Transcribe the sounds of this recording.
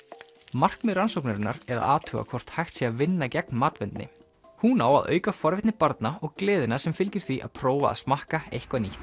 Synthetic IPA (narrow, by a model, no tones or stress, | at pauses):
mar̥kmɪransowknaɾɪnːa̰ɾɛɾa̰ða̰ːt̪ʰœːɣa̰kʰvɔr̥t̪hajxt̪siavɪnːacɛk̚nmaːt̪vɪnt̪nɪ̰ | hunaːwa̰ðœ̰ːɥkafɔɾvɪht̪nɪpaɾt̪naɔɣklɪːðɪnasɛmfɪlcɪɾ̥θviʔa̰ðpʰɾɔːwva̰ːðsmahkaejhkvaniht̪